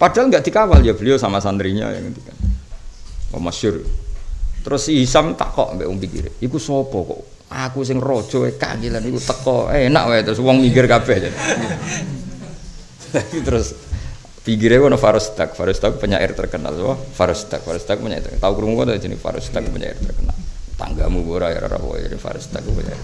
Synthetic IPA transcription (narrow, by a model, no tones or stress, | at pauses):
padaalŋɡaʔd̪ikawalijabəliosamasanɾiɲa̰ja̰kət̪ikan | wɔ̰masʊri | t̪əɾʊsiɦisamt̪a̰kɔ̰ʔampɛʔwɔŋpikḭɾḛikusɔb̥ɔkɔ̰ʔ | akus̬ɪŋro̥ʒ̥ɔeka̰ŋilanikut̪əkɔena̰ʔwet̪ɾʊswɔŋmiɡɪrkapɛd͡ʒa | t̪apit̪əɾʊs | pikɪɾekɔnɔfaɾust̪ak̚faɾust̪akupəɲa̰ʔɪ̰rt̪ərkəna̰lsamafaɾust̪ak̚faɾust̪akupəɲa̰t̪t̪aukuɾumukɔt̪ad͡ʒinḭfa̰ɾust̪ak̚upəɲa̰ɪ̰rt̪ərkəna̰lt̪a̰ŋɡamuɡoɾaja̰ɾa̰ɾa̰fɔ̰d͡ʒadifa̰ɾṵst̪a̰k̚ːupəɲa̰ɪ̰r